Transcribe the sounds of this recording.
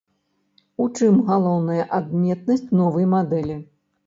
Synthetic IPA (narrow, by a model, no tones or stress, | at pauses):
ut͡ʂɨmɣalˠɔwnɐjɐʔad̪mʲɛt̪̚nɐsʲt͡sʲnɔvɐjmad̪ɛlʲi